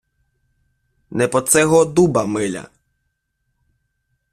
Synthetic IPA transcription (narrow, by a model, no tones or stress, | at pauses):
nɛpɔt̪sɛɦɔd̪ubɐmɪlʲɐ̰